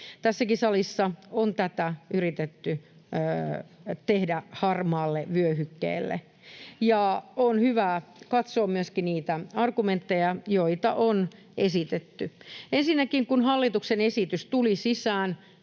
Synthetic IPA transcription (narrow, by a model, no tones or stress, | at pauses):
t̪æsːækisɑlisːɑont̪æt̪æyrit̪et̪ːyː | t̪ehdæhɑrmɑːlːeʋyøhykːḛːlːḛ | jɑonhyʋæːkɑt̪soːmmyøskiniːt̪æɑrɡument̪ːejɑjoit̪ɑʔon | esit̪et̪ːyensinːækiŋkunhɑlːit̪uksenesit̪yst̪ulisisæːn